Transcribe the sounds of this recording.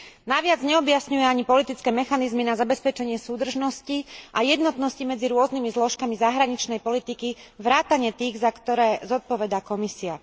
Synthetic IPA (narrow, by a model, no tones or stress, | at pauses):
naʋɪad͡zɲɛɔbjasɲujɛaɲipɔlit̪it͡skɛːmɛxanizminazabɛspɛt͡ʃɛɲɪɛsuːd̪r̩ʒnɔsciʔajɛd̪nɔt̪nɔscimɛd͡ziɾʊɔznimizlɔʃkamizaɦɾaɲit͡ʃnɛjpɔlit̪ikiʋɾaːt̪aɲɪɛt̪iːɣzakt̪ɔɾɛːzɔt̪̚pɔʋɛd̪aːkɔmisia